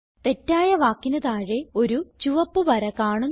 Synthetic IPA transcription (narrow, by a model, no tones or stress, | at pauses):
t̪e̞tːaːjɐʋaːkːinɐðaːɻe̞o̞ɾut͡ɕuʋɐpːuʋɐɾɐkaːɳu